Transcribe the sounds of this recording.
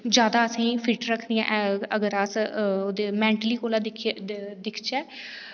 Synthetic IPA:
d͡ʒjaːd̪aːəsĩːpʰɪʈɾəkʰːd̪ijã̰ːʔəɡəɾəsoːd̪eːmɛ̃ːɳʈliːkoːlaːd̪ɪkʰd̪ɪkʰt͡ʃɛː

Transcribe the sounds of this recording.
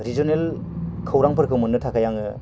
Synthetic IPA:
ɾid͡ʒonel | kʰɯwɾaŋpʰɯɾkʰɯwmɯnːɯtʰakʰajaŋɯ

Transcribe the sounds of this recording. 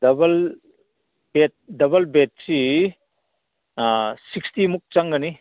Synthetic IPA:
dɐbɐl | bet̚dɐbɐlbet̚si | sikstimuk̚t͡ʃaŋɡɐni

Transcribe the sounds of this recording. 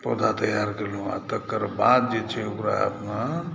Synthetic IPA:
pod̪ʱat̪əjaɾkelũa̰t̪əkːəɾbad̪̚d͡ʒet͡ʃʰɛokɾaə̰pna

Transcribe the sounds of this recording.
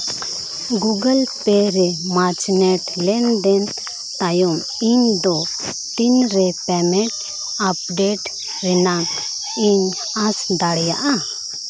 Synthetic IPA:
ɡuɡəlpɛɾɛmat͡ʃnɛʈlɛnd̪ɛn | t̪ajɔm | iɲd̪ɔ | t̪inɾɛpɛmɛ̃ʈ | ap̚ɖɛʈ | ɾɛnan | iɲ | asd̪aɽjaʔa

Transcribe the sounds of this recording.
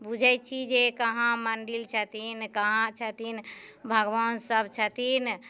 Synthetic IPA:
bud͡ʒʱɛt͡ʃʰid͡ʒekəɦãməɳɖilt͡ʃʰət̪inkəɦãt͡ʃʰət̪inbʱəɡʋansəbʱt͡ʃʰət̪in

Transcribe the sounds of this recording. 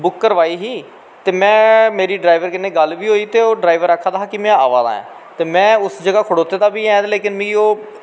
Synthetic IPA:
bʊkːəɾʋaːiːɦiː | t̪eːmɛ̃ːmeːɾiːɖɾaːiʋəɾkɪnːeːɡəlʋiːɦoːiːt̪eːoːɖɾaːɪʋəɾəkʰːaːd̪aːɦaːkɪmɛ̃ːa̰ːʋa̰ːd̪a̰ːɛ̰̃ː | t̪eːmɛ̃ːʊsd͡ʒəɡaːkʰʊɽoːt̪eːd̪aːbiːɛ̃ːd̪leːkɪnmĩioː

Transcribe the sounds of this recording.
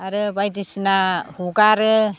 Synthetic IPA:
aɾɯbajdisnahuɡaɾɯ

